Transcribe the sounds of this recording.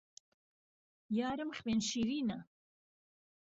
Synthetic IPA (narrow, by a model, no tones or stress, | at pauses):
jaːɾəmχwenʃiːɾiːnɐ